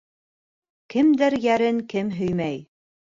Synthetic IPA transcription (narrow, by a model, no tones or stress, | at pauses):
kɘ̆md̪ɘɾjæɾɘŋkɘmɦɵ̆jmæj